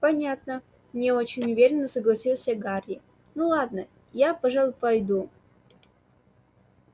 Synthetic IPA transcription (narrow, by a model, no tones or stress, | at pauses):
pɐnʲat̪nə | mnʲɪot͡ɕɪnʲʊvʲeɾʲɪnːəsəɡlˠɐsʲilˠsʲəɡarʲɪ | nulˠad̪nə | japɐʐalˠʊpɐjd̪u